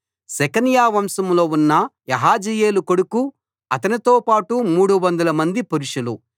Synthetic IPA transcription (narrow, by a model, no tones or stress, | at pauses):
sɛkɐnjaːʋɐmsɐmlo̞ːunːɐjɐɦaːd͡ʒijeːlukoɽuku | ɐt̪ɐnit̪o̞ːpaːʈumuːɽuʋɐnd̪ɐlɐmɐnd̪ipuɾuʂulu